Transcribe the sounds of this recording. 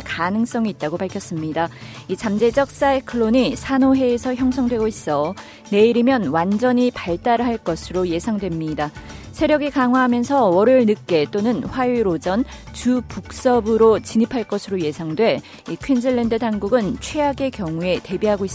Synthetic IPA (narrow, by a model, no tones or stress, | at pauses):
kanɯŋs͈ʌŋiːt̚t͈aɡopaɭkʰjʌs͈ɯmɲidait͡ɕamd͡ʑe̞d͡ʑʌk̚s͈aekʰɯɭːoɲisʰanoɦe̞ːsʰʌçjʌŋsʰʌŋdwe̞ɡois͈ʌ | ne̞iɾimjʌnwand͡ʑʌɲipaɭt͈aɾɯɦaɭk͈ʌsʰɯɾoje̞sʰaŋdwe̞mɲida | sʰe̞ɾjʌɡikaŋɦwaɦamjʌnsʰʌwʌɾɯɭnɯk̚k͈e̞t͈onɯnɸwaɥiɾod͡ʑʌnt͡ɕupuk̚s͈ʌbɯɾot͡ɕiɲipʰaɭk͈ʌsʰɯɾoje̞sʰaŋdwe̞ | ikʰwind͡ʑɯɭːendɯtaŋɡuɡɯnt͡ɕʰweaɡe̞kjʌŋue̞te̞biɦaɡois͈